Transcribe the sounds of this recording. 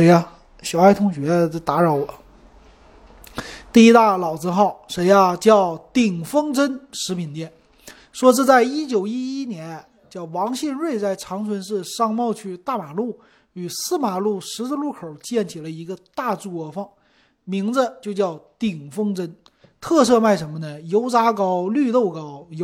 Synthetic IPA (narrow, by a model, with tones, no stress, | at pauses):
ʂe˧˥ɪa˧ | ɕjɑ˨˩ʊa˥ɪt̪ʰʊ˥ŋɕɥɛ˧˥˧t̪a˧˥ɻɑ˧˩ʊwɔ˨˩˦ | t̪i˥˩i˥t̪a˥˩lɑ˨˩ʊt͡sɹ̩ə˥˧nxɑ˥˩ʊʂe˧˥ɪa˧t͡ɕjɑ˥˩ʊt̪i˨˩ŋfɤ˥ŋʈ͡ʂə˥nʂɻ̩˧˥pʰi˨˩nt̪jɛ˥˩n | ʂwɔ˥ʈ͡ʂ̩˥˧t͡sa˥˩ɪi˥t͡ɕjo˨˩ʊi˥i˥njɛ˧˥n | t͡ɕjɑ˥˩ʊwɑ˧˥ŋɕi˥˧nɻwe˥˧ɪt͡sa˥˩ɪʈ͡ʂʰɑ˧˥ŋt͡sʰwə˧˥nʂɻ̩˥˧ʂɑ˥˧ŋmɑ˥˧ʊt͡ɕʰy˥˧t̪a˥˩ma˨˩lu˥˩ | y˨˩sɹ̩˥ma˨˩lu˥˩ʂɻ̩˧˥t͡s̩˥˧lu˥˩kʰo˨˩ʊt͡ɕjɛ˥˩nt͡ɕʰi˨˩lə˦i˧˥ɡə˧t̪a˥˧ʈ͡ʂu˥˩ɔə˧˥fɑ˥˩ŋ | mi˧˥ŋd͡zə˧t͡ɕjo˥˧ʊt͡ɕjɑ˥˩ʊt̪i˨˩ŋfɤ˥ŋʈ͡ʂə˥n | t̪ʰɤ˥˧s̬ɤ˥˧ma˥˩ɪʂə˧˥nmə˧nə˨jo˧˥ʊt͡sa˥kɑ˥ʊly˥˧t̪o˥˩ʊkɑ˥ʊjo˧˥